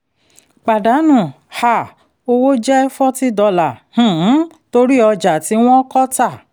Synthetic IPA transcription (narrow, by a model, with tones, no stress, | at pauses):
k͡pa˨da˨˦nũ˦˨ | ha˨ | o˧wo˦d͡ʒɛ˦ɛ˦fɔ˦ti˦dɔ˧la˨h̩˨˦ | to˧ɾi˦ɔ˧d͡ʒa˨ti˨˦w̃ɔ̃˦kɔ˦ta˦˨